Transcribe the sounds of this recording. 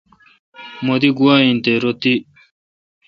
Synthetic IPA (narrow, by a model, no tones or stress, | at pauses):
mod̪iɡuwaːint̪eɾot̪i